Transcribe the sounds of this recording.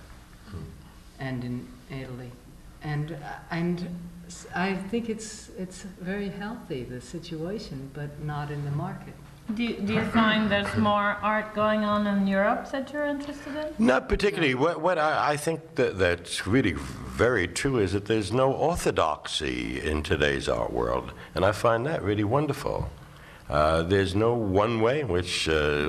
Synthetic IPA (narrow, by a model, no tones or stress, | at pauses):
ɨ̃nɨ̃nɪɾl̩ˠi | ʔɨ̃nɨ̃n | aɪθɪ̃ŋkɨtsɪtsvɛɹihɛlˠθiðɨsɪt͡ʃueɪʃɨ̃nbʌtⁿnəɾɨ̃nðɨmɑɹkɨt̚ | dɨdɨjɨfãɪ̃nðə˞zmɔɹʔɑɹt̚ɡ̥oʊɪ̃ŋə̃nə̃njʊɹəpsɛdd͡ʒə˞ɪ̃ntʰɹ̥ɛstɨɾɨ̃nnəpə˞tɪkjl̩ˠlˠiwʌtwʌɾaɪaɪθɪ̃ŋk̚ðɨðɨtsɹɪlˠivɛɹitʰɹ̥uɨzðɨt̪̚ðə˞znoʊʔɔɹθɨdɑ̰ksḭɪ̰̃ntʰɨdḛɪzɑ̰ʊə̰wɜ̰˞lˠd | ɨ̃naɪfãɪ̃nðɨʔ̚ɹɪlˠiwʌ̃ndə˞fl̩ˠ | ðə˞znoʊwʌ̃nweɪɨ̃nwɪt͡ʃ